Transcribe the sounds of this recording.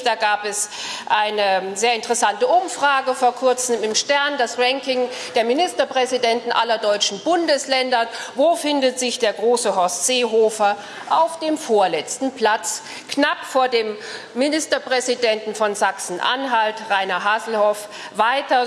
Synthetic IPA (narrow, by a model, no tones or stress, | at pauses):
d̥aːɡaːpɛs | ʔaɪnəzeːɐɪntəʁɛsantəʔʊmfʁ̥aːɡəfoːɐkʰʊɐt͡sm̩ɪmʃtɛɐndasʁɛŋkɪŋ | d̥eːɐmɪnɪstɐpʁ̥ɛzidɛntn̩ʔa̰lɐdɔʏt͡ʃn̩bʊndəslɛndɐvoːfɪndətz̥ɪçd̥eːɐɡʁoːsəɦɔstz̥eːɦoːfɐ | ʔaʊfd̥eːmfoːɐlɛt͡stn̩pʰl̥at͡s | knapfoːɐdeːmː | ɪnɪstɐpʁ̥ɛzidɛntn̩fɔnzaksn̩ʔa̰nɦaltʁaɪnɐɦaːzl̩hɔf | vaɪtɐ